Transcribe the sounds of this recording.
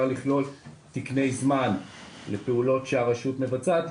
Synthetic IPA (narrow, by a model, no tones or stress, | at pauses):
aliχlo̞l | t̪ikne̞jzmanlepeulo̞tʃeaʁaʃutme̞vat͡sat̪